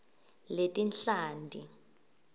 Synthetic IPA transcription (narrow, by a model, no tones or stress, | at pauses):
letʼinɬaːndʱi